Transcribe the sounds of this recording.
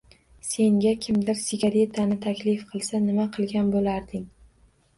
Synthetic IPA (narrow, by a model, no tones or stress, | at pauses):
se̞ŋɡʲakʲʰɪmd̪ɪɾsɪɡʲaɾe̞t̪ʰanɪt̪ʰakʲlɪfqʰɨlˠsanɪmaqʰɨlˠɡʲanbolaɾd̪ɪŋ